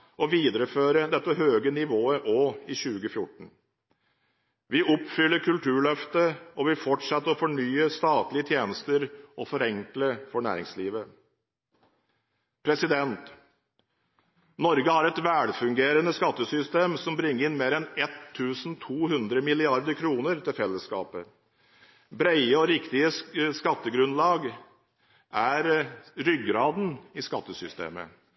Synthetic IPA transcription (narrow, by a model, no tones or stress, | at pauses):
ɔʋiːd̪ɾəføːɾəd̪ɛt̪ːəɦøːɡənɪʋoːəʔoːɪɕʉːɡəfjʊʈːɳ̩ | ʋɪʔɔpfʏlːəɾkʰʉlʈ̪ʰʉːɭœft̪əɔʋɪfɔʈʂɛt̪ːəɾɔfɔɳyːəst̪ɑːt̪lɪət̪ʰjeːnəst̪əɾʔɔfɔɾɛŋkləfɔɳæ̰ːɾɪ̰ŋsliːʋə | pʰɾɛsɪd̪ɛnt̪ | nɔɾɡəhɑɾɛt̪ʋæːɽfʉŋɡeːɾənəskɑt̪ːəsʏst̪eːmsɔmbɾɪŋːəɾɪnmeːɾɛnɛt̪ʰːʉːsn̩t̪ʰuːhʉnd̪ɾəmɪlɪɑɾd̪əkʰɾuːnəɾt̪ʰɪlfɛlːəskɑ̰ːpə | bɾæɪəɔɾɪkt̪ɪəskɑt̪ːəɡɾʉnlɑːɡ | ʔæɾɾʏɡɾɑːd̪n̩ɪskɑt̪ːəsʏst̪ḛːmə̰